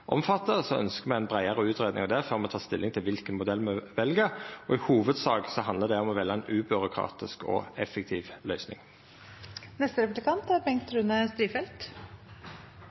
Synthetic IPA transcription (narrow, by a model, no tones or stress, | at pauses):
ʔɔmfɑt̪ːəsɔœ̰nskəmɛɪɛnbʁæɪəʁəʉːt̪ʁeːd̪ɪ̰ŋɑʋd̪ɛfœʁmɛɔt̪ʰɑːst̪ɪlːɪŋt̪ʰɪlʋɪlkənmʊd̪ɛlmɛʋɛlɡəɔɪhuːʋəd̪sɑːɡsɔɦɑnd̪əd̪ɛɔmɔʋɛlːəæɪnʉːbʏʁʊkʰʁɑ̰ːt̪ɪskɔ̰ɛfɛkt̪ʰiːʋlœʏsnɪŋ | nɛst̪əɾɛpʉblɪkʰɑnt̪æɾbɛŋt̪ʰɾʉnəst̪ɾiːfɛlt̪